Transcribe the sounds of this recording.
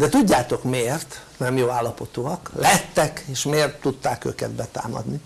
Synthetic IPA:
d̪ɛt̪uɟːaːt̪o̞kmeːrt̪nɛmjoːaːlːɒpo̞t̪uɒklɛɦɛt̪ːɛkeːʃmeːrt̪ːut̪ːaːkø̰kɛ̰d̪̚bɛt̪a̰ːmɒ̰d̪ni

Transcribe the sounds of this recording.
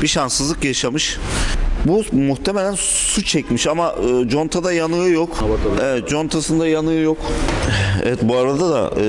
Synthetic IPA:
biʃansɯzlˠɯkjaʃamɯʃ | bumuxt̪ʰeme̞lʲæn | sut͡ʃʰɛcmiʃamaɯːd͡ʒo̞nt̪ʰad̪ajanɯɯjokevɛt̪̚d͡ʒo̞nt̪ʰasɯnd̪ajanɯɯjok | ɛ̰vɛt̪buaɾad̪ad̪a̰

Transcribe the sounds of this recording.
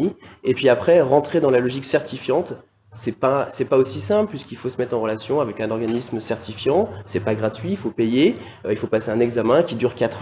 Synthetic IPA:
iepɥiapχɛʁɑ̃t̪χed̪ɑ̃lalɔʒiksɛʁt̪ifjɑ̃t̪ | sɛpasɛpaosisɛ̃plpɥiskilfosəmɛt̪χɑ̃ʁəlasjɔ̃avɛkɛ̃nɔʁɡanismsɛʁt̪ifjɑ̃sɛpaɡʁat̪ɥiːlfopeje | øilfopaseɛ̃nɛɡzamɛ̃kʲid̪yʁkat̪χ

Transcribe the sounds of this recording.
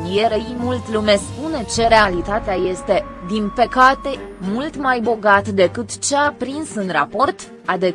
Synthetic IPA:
jeɾeimult̪lume̞spune̞t͡ʃe̞ɾealit̪at̪eaje̞st̪e̞d̪inpəkat̪e̞mult̪majbo̞ɡat̪d̪e̞kɨt̪t͡ʃeapɾinsɨnrapo̞rt̪ | ad̪e̞

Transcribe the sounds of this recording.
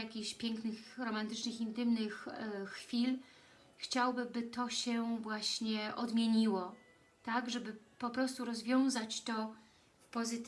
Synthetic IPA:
jakʲiɕpʲjɛŋknɘxɾɔmant̪ɘt͡ʂnɘxint̪ɘmnɘxːfʲil | xt͡ɕawbɘbɘt̪ɔɕɛvwaɕɲɛʔɔd̪mʲjeɲiwɔ | t̪aɡʐɛbɘ | pɔpɾɔst̪uɾɔzvʲjɔ̃w̃zat͡ɕt̪ɔ | fpɔzɘt̪

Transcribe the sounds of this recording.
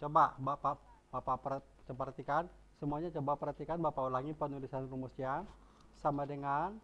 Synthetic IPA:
t͡ʃobabapa | bapapə | t͡ʃəpaɾat̪ikan | səmuaɲat͡ʃobapəɾhat̪ikanbapaulaŋipənulisanrumusia | samadəŋan

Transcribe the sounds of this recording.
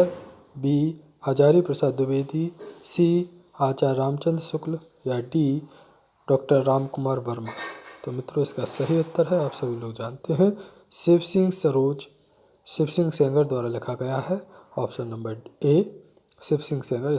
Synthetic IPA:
əɾ | biː | aːd͡ʒaːɾipɾɐsaːd̪ʊbeːd̪isiː | aːt͡ʃaːɾːaːmt͡ʃə̃nd̪ɾsʊkl | jaɖiː | ɖɔːk̚ʈəɾːaːmkʊmaːɾʋɐɾmaːt̪oːmɪt̪ɾoɪskasɐɦiʊt̪ʰːəɾɦɛaːpsɐbʱiloːɡd͡ʒaːnt̪eɦɛ̃ | sɪpʰsɪ̃ŋɡsɐɾoːd͡ʒ | sɪpsɪ̃ŋɡsɛ̃ːŋɡəɾd̪waːɾalɪkʰaɡɐjaɦɛɔːpʰʃə̃nːɐ̃mbəɾeː | sɪpʰsɪ̃ŋɡsɛ̃ːŋɡəɾɪ

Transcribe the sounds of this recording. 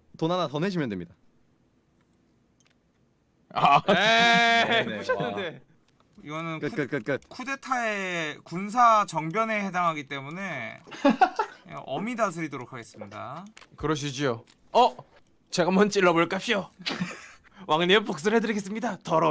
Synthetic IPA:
tonanatʌneɕ̬ʰimjʌndwemɲida | ae | uɕʰʌnːɯnde | iɡʌnɯnkɯk͈ɯtk͈ɯt̚k͈ɯt̚kʰude̞tʰaekuns̬ʰat͡ɕʌŋbjʌne̞he̞daŋɦaɡit͈e̞mune̞ | ʔʌ̰midas̬ʰɯɾidoɾokʰaɡe̞s͈ɯmɲida̰kɯɾʌɕ̬ʰid͡ʑio | ʌ | t͡ɕe̞ɡamʌnt͡ɕ͈iɭːʌboɭk͈apɕ͈ʰijo | waŋɲepok̚s͈ɯɭɦedɯɾiɡes͈ɯmɲidatʌɾʌ

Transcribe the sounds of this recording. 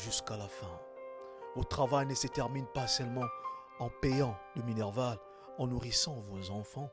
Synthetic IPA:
ʒyskalafɛ̃ | vot̪χavajnəsət̪ɛʁminpasɛlmɑ̃ | ɑ̃pɛjɑ̃d̪əminɛʁval | ɑ̃nuʁisɑ̃vozɑ̃fɑ̃

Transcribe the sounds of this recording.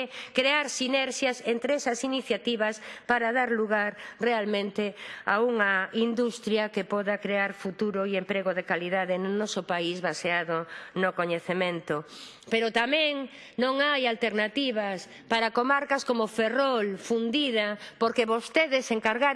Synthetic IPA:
kɾeaɾsinɛɾʃjasent̪ɾeɛsɐsiniθjat̪iβɐspaɾaðaɾluɣaɾrealmẽnt̪ea̰uŋɐind̪ust̪ɾjakepɔðakɾeaɾfut̪uɾoiempɾeɣoðekaliðaðenʊnɔsopaizβaseaðonokoɲeθemẽnt̪o | peɾot̪amẽŋ | nõŋajalt̪eɾnat̪iβ̞as | paɾakomaɾkaskomoferɔlfund̪iðɐpoɾkeβost̪eðeseŋkaɾɣaɾ

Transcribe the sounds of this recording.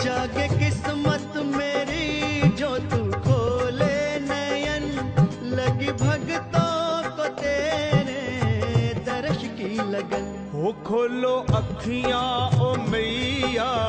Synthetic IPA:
t͡ʃaːɡekɪsmət̪meːɾid͡ʒoːt̪ukʰoːlenɐjɐn | lɐɡibʱɐɡt̪okot̪eːɾe | d̪ɐɾɐʃkilɐɡən | ɦoːkʰoːloːʔɐkʰːijãːoːmejaː

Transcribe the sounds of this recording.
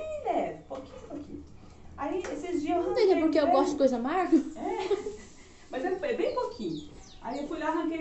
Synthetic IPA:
id̪ɛbokĩɲbokḭ̃ɲ | aiesɪzd͡ʒiɐz̃t̪ẽjɛpʊɾkeewɡɔstʊd͡ʒɪkojzɐɐmaɾɡɐɛ | mɐzɛɛbẽj̃pokʰĩɲʊ | a̰iewfujlanɐkel

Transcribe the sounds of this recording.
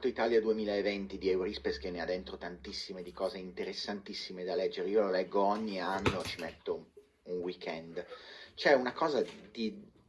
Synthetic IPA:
t̪ːoit̪aːljad̪uemiːlaevent̪id̪iɛwɾispeskenːead̪ːent̪ɾot̪ant̪isːimed̪ikɔːzeint̪eɾesːant̪isːimed̪alɛd͡ʒːeɾeiːololɛɡːoɔɲːianːoet͡ʃimet̪ːo | unwikɛnd̪t͡ʃɛunakɔːzad̪i

